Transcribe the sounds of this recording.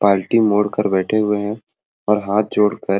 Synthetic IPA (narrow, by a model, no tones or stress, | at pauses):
paːlʈimoːɽkəɾbɛːʈʰeɦʊeɦɛ̃ | ɔːɾɦaːt̪̚ʰd͡ʒʱoːɽkəɾ